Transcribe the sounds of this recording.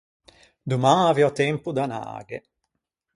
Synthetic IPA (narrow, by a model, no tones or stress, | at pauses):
d̪umaːviɔt̪ɛmpud̪ana̰ːɡɛ̰